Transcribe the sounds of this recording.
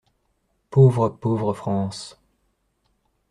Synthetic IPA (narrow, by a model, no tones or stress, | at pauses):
povʁəpovʁəfχɑ̃ːs